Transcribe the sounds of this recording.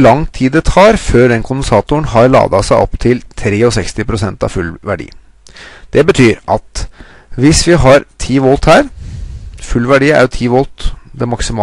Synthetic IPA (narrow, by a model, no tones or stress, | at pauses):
lɑŋt̪ʰiːd̪ət̪ʰɑːɾføːɖ̪ɛnkʰʊnd̪ɛnsɑːt̪ʊəɳɦɑɾɭɑ̰ːd̪ɑsæɪʔɔ̰pt̪ʰɪlt̪ʰɾeːɔsɛkst̪ɪpʰɾʊsɛnt̪ɑ̰fʉlʋæɖḭː | d̪̥ɛbət̪ʰyːɾʔɑt̪ | ʋɪsʋɪɦɑɾt̪ʰiːʋɔlt̪hæːɾ | fʉlːʋæɖiːæ̰ɾʊt̪ʰiːʋɔlt̪d̪ɛmɑksɪmɑː